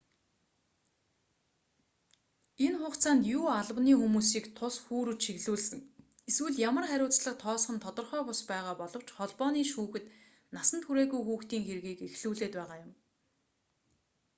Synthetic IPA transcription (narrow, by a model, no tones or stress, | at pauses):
enχʊːqt͡sʰaːnt̪juːaɮ̆wniːxumuːsiːkt̪ʰʊsxuːɾɘ̆t͡ɕʃiɣɮuːɮsɘ̆ŋ | eswɘ̆ɮjamə̆rχæɾʲʊːt͡sɮə̆q̚t̪ʰɔːsχə̆nt̪ʰɔt̪ɞ̆rχœːpʊspæːʁaːpɔɮɞ̆w̥t͡ɕχɔɮpɔːniːʃuːxɘ̆t̪ | nasə̆nt̪ʰxuɾeːɣujxuːxt̪iːŋxeɾɣiːkexɮuːɮeːt̪pæːʁaːjʊm